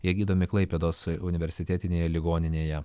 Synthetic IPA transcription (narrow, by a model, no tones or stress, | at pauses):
iɛɡʲiːd̪oːmʲɪklˠɐɪpʲɛd̪oːsʊnʲɪʋʲɛɾʲsʲɪt̪ʲæːt̪ʲɪnʲeːjɛlʲɪɡoːnʲɪnʲeːjɛ